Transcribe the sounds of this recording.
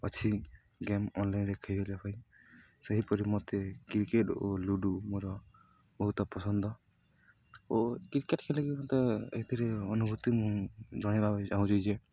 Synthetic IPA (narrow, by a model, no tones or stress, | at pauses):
ɔt͡ʃʰi | ɡemɔnlajnɾekʰajbelapʰaĩ | seɦipɔɾimɔt̪ekɾikeʈoluɖumoɾɔ | bɔɦut̪ɔpɔsɔnd̪ɔ | okɾikeʈkʰelikimot̪eḛid̪ʰʱiɾeɔnubʱut̪imũd͡ʒɔɽ̃ibabd͡ʒaũd͡ʒɔjd͡ʒe